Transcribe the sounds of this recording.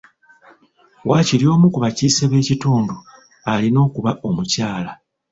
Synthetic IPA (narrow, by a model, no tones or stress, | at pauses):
wʔaːciljo̞ːmukuβaciːseβe̞ːcituːndu | alino̞ːkuβaʔo̞mucaːla